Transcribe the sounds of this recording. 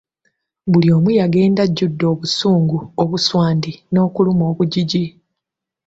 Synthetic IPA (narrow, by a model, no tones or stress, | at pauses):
bulio̞ːmwijaɡe̞ːndaɟːudːo̞ːβusuːŋɡuoβuswaːndino̞ːkulumo̞ːβuɟiɟi